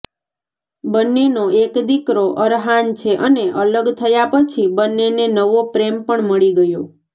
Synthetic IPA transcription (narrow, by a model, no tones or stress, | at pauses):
bənːenoekd̪ikɾoʔəɾɦant͡ʃʰeʔəneʔələɡt̪ʰəjapət͡ʃʰibənːenenəʋopɾempəɳməɭiɡəjo